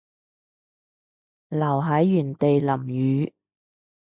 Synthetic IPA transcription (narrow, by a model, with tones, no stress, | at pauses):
lɐ˨˩wɦɐ˨˥jːyː˨˩nt̪e˨jlɐ˨˩mjyː˨˧˦